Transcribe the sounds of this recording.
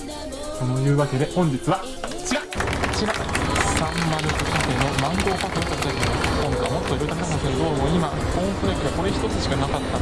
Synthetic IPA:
ko̞no̞jɯ̟ːβake̞d̪e̞hõ̞ɲ̟d͡ʑit͡sɨβa | t͡ɕiɾat͡ɕiɾaasãmːaɾɯkɯkafeno̞mãŋɡ̪o̞ːkakɯot̪ak̪at̪akʲiɲokõŋkaβmo̞t̪ːoiɾɯd̪akanasenod̪oːmoima | kõŋkɯɾakʲid̪eko̞ɾe̞çi̥t̪o̞t͡sɨɕi̥kanakat̪ːa

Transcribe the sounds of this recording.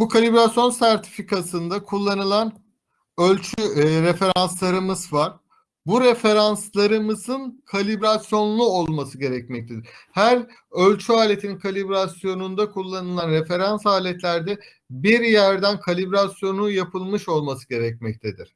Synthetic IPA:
bukʰalʲibɾasjo̞nsæɾt̪ʰi̥fikʰasɯnd̪akʰulˠːanɯlˠan | ølʲt͡ʃʰyɾefe̞ɾanslˠaɾɯmɯzvaɾ̥ | buɾe̞fe̞ɾanslˠaɾɯmɯzɯnkʰalʲibɾasjo̞nlˠuo̞lˠmasɯɟe̞ɾɛcmɛc̚t̪ʰed̪ɾ̥hæɾ | ølʲt͡ʃʰyaːlʲe̞t̪ʰininkʰalʲibɾasjo̞nund̪akʰulˠːanɯlˠanɾefe̞ɾansaːlʲɛt̪lʲæɾd̪ɛ | biɾjæɾd̪ænkʰalʲibɾasjo̞nujapʰɯlˠmɯʃo̞lˠmasɯɟe̞ɾɛc̚mɛc̚t̪ʰed̪iɾ̥

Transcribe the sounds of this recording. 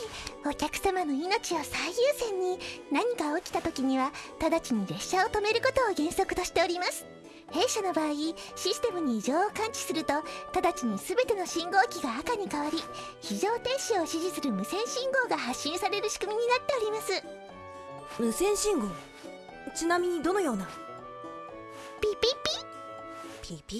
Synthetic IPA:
o̞kʲakɯ̟̥samano̞ino̞t͡ɕio̞saijɯːsẽ̞ɲ̟ːinaɲ̟ikaokʲi̥t̪at̪o̞kʲiɲ̟iβat̪ad̪at͡ɕiɲ̟iɾe̞ɕːao̞t̪o̞me̞ɾɯ̟ko̞t̪o̞ːɡẽ̞ɰ̃so̞kɯ̟t̪o̞ɕi̥t̪e̞o̞ɾʲimasɨ̥ | he̞ːɕano̞baːiɕisɨ̥t̪e̞mɯ̟ɲ̟iːʑo̞ːokãɲ̟t͡ɕi̥sɨɾɯ̟t̪ot̪ad̪at͡ɕiɲ̟isɨbe̞t̪e̞no̞ɕĩŋɡo̞ːkʲiɡaakaɲ̟ikaβaɾʲi | çiʑo̞ːt̪ẽ̞ɰ̃ɕio̞ɕiʑisɨɾɯ̟mɯ̟sẽ̞ɰ̃ɕĩŋɡo̞ːɡaɦaɕːĩɰ̃saɾe̞ɾɯ̟ɕi̥kɯ̟mʲiɲ̟inat̪ːe̞o̞ɾʲimasɨ | mɯ̟sẽ̞ɰ̃ɕĩŋɡo̞ː | t͡ɕinamʲiɲ̟id̪o̞no̞jo̞ːna | pʲːpʲipʲi

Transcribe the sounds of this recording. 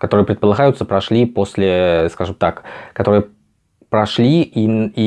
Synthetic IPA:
kɐt̪oɾɨjəpɾʲɪt̪pəlˠɐɣajʊt̪səpɾɐʂlʲipo̞sʲlʲɪskaʐɨmt̪akkɐt̪o̞ɾɨjə | pɾɐʂlʲiii

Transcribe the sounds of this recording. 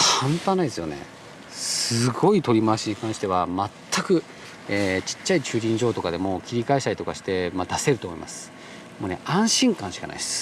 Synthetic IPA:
kʰãnt̪ãnːaid̪esɨjo̞nḛ | ssɨɡo̞it̪oɾʲimaɕiɲ̟ikãɕi̥t̪e̞βamat̪ʰːakɯ̟ | eːt͡ɕi̥t͡ɕːait͡ɕɨːɾʲĩɲ̟d͡ʑo̞ːt̪o̞kad̪e̞mo̞kʲiɾʲikaeɕit̪aɾit̪o̞kaɕi̥t̪e̞mad̪ase̞ɾɯt̪o̞ːmo̞ḭma̰sɨ̥ | mo̞ːne̞ʔãɰ̃ɕĩŋkãɕi̥kana̰ḭesɨ̥

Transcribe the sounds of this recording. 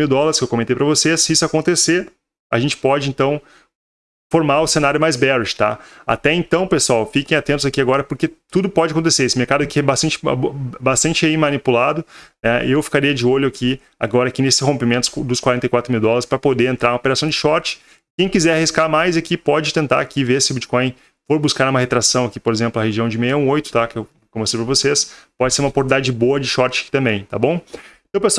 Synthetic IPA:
iwd̪ɔlɐɾɪskɪewkomẽnt̪ejpɾɐvosesːɪisʊakõnt̪eseɾ | a̰ʒẽnt͡ʃɪ̥pɔd͡ʒɪẽnt̪ɐ̃w̃ | foɾmaɾʊsenaɾjʊmajzbɛɾʃɪ̥t̪a̰a̰t̪ɛẽnt̪ɐ̃w̃pesʊawfikẽj̃at̪ẽnt̪ʊzakiaɡɔɾɐpoɾket̪ud̪ʊpɔd͡ʒakõnt̪̬eseɾesɪmeɾkad̪ʊkɪɛbast̪ɐ̃nt͡ʃɪ̰bast̪ɐ̃nt͡ʃɪaimɐnipulad̪ʊnɛewfi̥kaɾiɐd͡ʒɪoʎʊakʰi | a̰ɡɔɾɐakinesɪ̥shõmpimẽnt̪ʊ̥d̪ʊskwaɾẽɐjkwat̪ɾʊmiwd̪ɔlɐɾɪspɾɐpod̪eɾẽnt̪ɾaɾũmopeɾasɐ̃w̃d͡ʒɪʃɔɾt͡ʃɪ̥ | kẽj̃kizɛɾahiskaɾmajzakipɔd͡ʒɪt̪ẽnt̪a̰ɾakiveɾsɪʊbit͡ʃɪ̥kõj̃ | foɾbuskaɾũmɐhet̪ɾasɐ̃w̃akipoɾezẽmplʊɐheʒiɐ̃w̃d͡ʒɪmejɐũojt̪ʊ̥t̪akew | komesejpɾɐvosespɔd͡ʒɪseɾũmɐpoɾid̪ad͡ʒɪboɐd͡ʒɪʃɔɾt͡ʃɪḁki̥t̪ɐ̃mbẽj̃t̪a̰bõw̃ẽt̪ɐ̃w̃pesw

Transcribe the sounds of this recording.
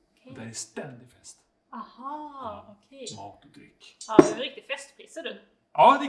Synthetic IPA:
d̪ɛɛst̪ɛnd̪ɪfɛst̪ | ɑhɑɔkʰɛsmɑːd̪d̪ɾɪ̰kːɑɛɾɪk̚t̪ɪ̥fɛst̪pʰɾiːsəɖʉ | ʔɑːd̪ɛ

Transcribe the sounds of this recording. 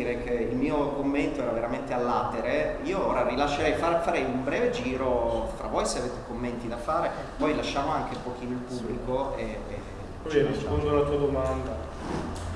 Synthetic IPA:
iːɾek̟ʰeilmiːokomːent̪oɛːɾaveɾament̪ealːaːt̪eɾeiːooːɾaɾilaʃːeɾɛjfafaɾɛjumbɾɛːved͡ʒiːɾofɾa̰vojseaveːt̪ekomːent̪id̪afaːɾe | pɔjlaʃːaːmoaŋk̟epok̟iːnoilpubːlikoḛ | pɔispond̪olat̪uːad̪omand̪a

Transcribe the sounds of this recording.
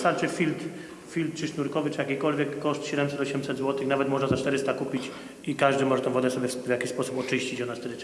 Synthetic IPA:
st̪alt͡ʂɘfʲilt̪ | fʲilt̪̚ːt͡ʂɘʂnuɾkɔvɘt͡ʂɨjakʲikɔlvʲjɛkːɔʂt̪ɕɛd̪ɛmsɛt̪ɔɕɛmsɛd̪zwɔt̪ɘxnavɛt̪mɔʐnazat͡ʂt̪ɛɾɘst̪akupʲit͡ɕ | ikaʐd̪ɘmɔʐɛt̪ɛ̃w̃vɔd̪ɛsɔbʲjɛvʲjakʲiɕspɔsupɔt͡ʂɘɕt͡ɕit͡ɕɔnast̪ɛɾɪt̪s

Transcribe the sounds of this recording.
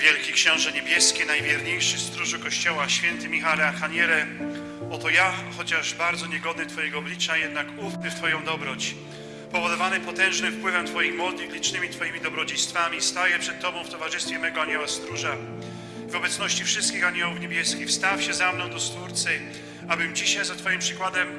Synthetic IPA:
vʲjɛlkʲikɕɛ̃w̃ʐɛɲebʲjɛskʲɛnajvʲjɛɾɲejʂɘst̪ɾuʐukɔɕt͡ɕɔwaɕfʲjɛnt̪ɘmʲixalɛaɾxaɲɛlɛ | ɔt̪ɔjaxɔt͡ɕaʐbaɾd̪zɔɲɛɡɔd̪nɨt̪fɔjɛɡɔɔblʲit͡ʂajɛd̪nakufpɘft̪fɔjɔ̃w̃d̪ɔbɾɔt͡ɕ | pɔvɔd̪ɔvanɪpɔt̪ɛ̃w̃ʐnɪmfpwɘvɛmt̪fɔjimːwɔd̪nɨxlʲit͡ʂnɘmʲit̪fɔjimʲid̪ɔbɾɔd͡ʑejst̪famʲist̪ajɛpʂɛt̪ːɔbɔ̃w̃ft̪ɔvaʐɨst̪fʲjɛmɛɡɔaɲɛwast̪ɾuʐa | ivɔbɛt̪snɔɕt͡ɕifʂɘst̪kʲixaɲɛwufɲebʲjɛskʲixfst̪afɕɛzamnɔ̃w̃d̪ɔst̪fuɾt̪sɘ | abɘmd͡ʑiɕajzat̪fɔjimpʂɨkwad̪ɛm

